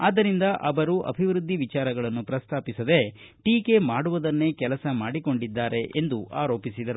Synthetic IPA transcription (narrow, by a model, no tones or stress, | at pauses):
aːd̪ːɐɾind̪ɐʔɐʋɐɾuʔɐ̰bʱiʋɾud̪ʱːiʋit͡ʃaːɾɐɡɐɭɐnːupɾɐst̪ʰaːpisɐd̪e̞ | ʈiːke̞maːɽuʋɐd̪ɐnːe̞ːkɛlɐsɐmaːɽiko̞ɳɖid̪ːaːɾe̞ʔend̪uʔaːɾo̞ːpisid̪ɐɾu